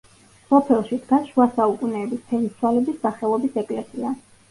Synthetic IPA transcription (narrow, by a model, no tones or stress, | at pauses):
sɔpʰɛlˠʃid̪ɡaʃuasaukʼunɛːbisp̪ʰɛɾiswalɛbisːaχɛlˠɔbisɛkʼlɛsia